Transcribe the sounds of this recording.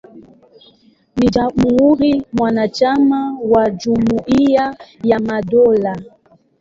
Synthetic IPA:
nid͡ʒamuhuɾimwanat͡ʃamawad͡ʒumuʔiajamadɔla

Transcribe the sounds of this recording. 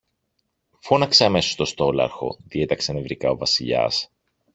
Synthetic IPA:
fo̞nɐkseɐme̞so̥st̪o̞st̪o̞lɐ̰ɾxo̞̰ðie̞t̪ɐksɐnevɾikɐo̞vɐsiʎɐ̰s

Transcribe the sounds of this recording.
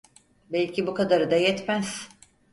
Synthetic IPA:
bɛlʲcʰibukad̪aɾɯd̪ajɛt̪mæz̥

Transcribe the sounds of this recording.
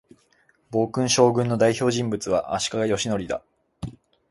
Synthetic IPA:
bo̞ːkɯ̟̃ɰ̃ɕo̞ːɡɯ̟̃nːo̞d̪aiço̞ːʑĩmbɯ̟t͡sɨβaʔa̰ɕi̥kaɡajo̞ɕino̞ɾʲid̪a̰

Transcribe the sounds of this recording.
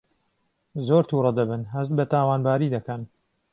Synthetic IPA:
zoːɾt̪ʰuːɾˤɑd̪ɐbɨnɦɐzt̪̚bɐt̪aːwaːnbaːɾiːd̪ɐkɐn

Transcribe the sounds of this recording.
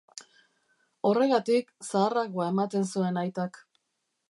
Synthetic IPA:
o̞re̞ɣat̪iksaːraɣoae̞mat̪e̞nsue̞najt̪ak

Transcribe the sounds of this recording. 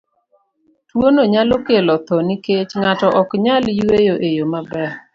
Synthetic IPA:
twonoɲalokelɔt̪ɔniket͡ʃŋatɔʔɔkɲaljwejoʔejomabɛ

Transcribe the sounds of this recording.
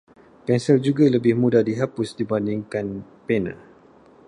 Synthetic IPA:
pɛnsɛld͡ʒuɡaləbɪhmũdahdiɦapʊsdibandiŋkan | pɛna̰

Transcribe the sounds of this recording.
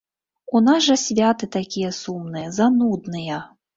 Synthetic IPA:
unasʐɐsʲvʲat̪ɨt̪akʲijɛsumnɨjɐzanud̪nɨjɐ

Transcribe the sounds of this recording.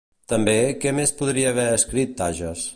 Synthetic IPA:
t̪əmbekɛmespuðɾiəːβɛəskɾit̪ːaʒəs

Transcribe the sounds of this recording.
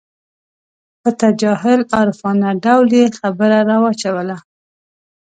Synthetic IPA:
pət̪ad͡ʒɑɦɪlɑɾfɑnaɖawljexabəɾaɾɑwat͡ʃawəla

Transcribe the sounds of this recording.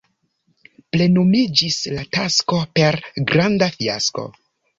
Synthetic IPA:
ple̞nomid͡ʒislatasko̞pe̞ɾɡɾandafia̰sko̞̰

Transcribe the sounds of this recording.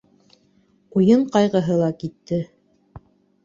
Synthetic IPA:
ujɤɴqɑjʁɤ̆ɦɤlˠɑkit̪ːɘ

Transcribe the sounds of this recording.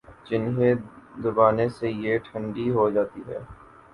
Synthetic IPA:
d͡ʒɪnɦed̪ʊbaːnesejeʈʰə̃ɳɖiɦod͡ʒaːt̪iɦɛ̰ː

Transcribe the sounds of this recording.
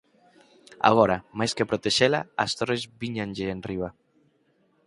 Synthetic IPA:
a̰ɣ̞ɔɾamajskepɾot̪eʃelaast̪oɾezbiɲanʲʒeːnriβa

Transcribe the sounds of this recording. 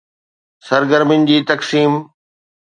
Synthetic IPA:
sɐɾɡəɾmɪnd͡ʑiːt̪ɐksiːm

